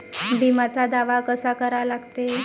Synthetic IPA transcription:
bʱimat͡sad̪aʋakəsakəɾalaɡt̪e

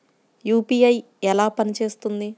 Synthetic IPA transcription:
juːpiːɐj | ɛlaːpɐnit͡ʃe̞ːst̪und̪i

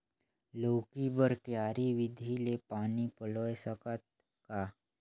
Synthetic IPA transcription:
lokibəɾkjaɾiʋid̪ʱilepanipəlojsəkət̪̚ | ka

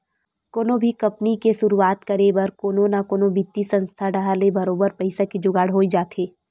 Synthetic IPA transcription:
koːnobʱikɐpnikeʃʊɾuaːt̪kɐɾebɐɾkoːnonakoːnobit̪ːisɐ̃nst̪ʰaɖaɦalebɐɾoːbəɾpɐɪsakid͡ʒʊɡaːɽɦoːid͡ʒaːt̪eː

